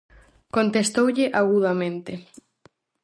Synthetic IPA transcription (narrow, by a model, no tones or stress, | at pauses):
kont̪est̪owʎɪʔaɣuð̞amẽnt̪ɪ